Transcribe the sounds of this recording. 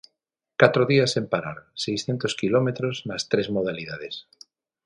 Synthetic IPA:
kat̪ɾoðiasempaɾa̰ɾsejsθjent̪oskilomet̪ɾozmast̪ɾezmoð̞aliðað̞es

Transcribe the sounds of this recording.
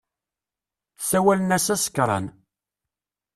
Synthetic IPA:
sæwælənæsæsə̥kɾˤɑ̰n

